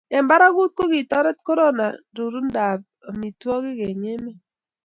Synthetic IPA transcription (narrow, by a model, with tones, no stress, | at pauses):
ɛ˨mba˦ɾa˦ɡu˦t̚ko˦ɡi˨tɔ˦ɾɛ˦t̚ko˦ɾo˦na̰˨ | ɾu˨ɾu˦nda˨b̚a˨mi˨twɔ˦ɡɪ˦ɡe˨ɲɪ˦mɛ˦